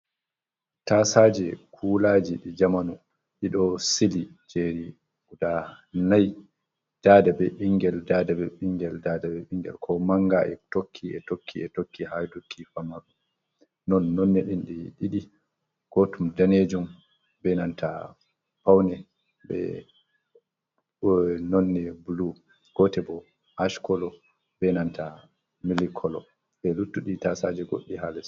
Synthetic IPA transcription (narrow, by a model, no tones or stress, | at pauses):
tasaːd͡ʒɛkʰulad͡ʒiɗid͡ʒamanu | ɗiɗɔsili | d͡ʒeɾi | uda | naj | d̥aːdabɛɓiŋɡɛldaːdabɛɓiŋɡɛldadabɛɓiŋɡɛ̰lkʰɔmaŋɡaʔɛ̰tokʰːiɛtokʰːiɛtokːihajdokʰːifamakɔ | nɔnːɔnːɛɗinɗiɗiɗi | ɡ̥otumdaned͡ʒum | bɛnantʰa | pawnɛ | bɛ̰ | nɔnːɛbulu | ɡ̥ɔtɛbɔ | haʃkɔlɔ | bɛnantʰa | milikʰɔlɔ̰ | ɓɛlutːuɗitasad͡ʒɛɡo̰ɗːiɦalɛ